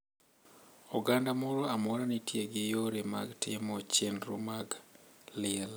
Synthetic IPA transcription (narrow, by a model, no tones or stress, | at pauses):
uɡandamuɾoamoɾanitjeɡejoɾema̰ɡtemot͡ʃenɾṵmaɡliel